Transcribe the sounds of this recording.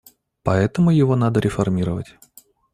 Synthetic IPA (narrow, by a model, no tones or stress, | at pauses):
pɐɛt̪əmʊjɪvo̞nad̪əɾʲɪfɐrmʲiɾəvə̰tʲ